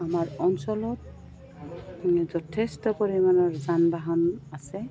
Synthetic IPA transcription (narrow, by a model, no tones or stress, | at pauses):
amaɹɔnsɔlɔt̚ | zɔtʰestɔpoɹimanɔɹzanbaɦanasɛ